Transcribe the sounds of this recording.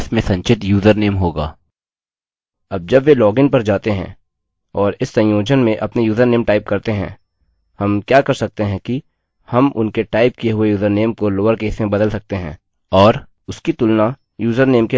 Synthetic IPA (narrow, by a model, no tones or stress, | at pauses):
smẽsɐ̃ɲt͡ʃɪt̪juːzəɾneːmɦoːɡa̰ː | ɐb̚d͡ʒɐbʋelɔːɡɪ̃ŋɡ̚pɐɾd͡ʒaːt̪eɦɛ̰̃ː | ɔːɾɪsːɐ̃jjoːd͡ʒənmẽʔɐpnejuːzəɾneːmʈaːɪp̚kɐɾt̪eɦɛ̰̃ː | hɐmkjaːkɐɾsɐk̚t̪eɦɛ̃ki | hɐmʊ̰nkeʈaːɪp̚kijeɦʊejuːzəɾneːmkoloːəɾkeːsmẽbɐd̪əlsɐk̚t̪eɦɛ̰̃ː | ɔːɾ | ʊskit̪ʊlna | juːzəɾneːmke